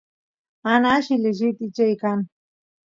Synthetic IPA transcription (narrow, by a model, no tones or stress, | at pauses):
anaʃɪleʒɪt̪ɪt͡ʃajkan